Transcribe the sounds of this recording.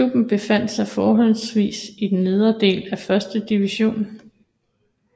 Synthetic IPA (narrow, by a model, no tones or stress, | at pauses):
ub̥n̩b̥e̝fæn̰d̥sɑ̈ɪfɒːɦɒ̽lsʋḭːsid̥enːið̞ˠɐd̥e̝̰ːlæfɶɐsd̥əd̥iʋiɕo̝̰ːn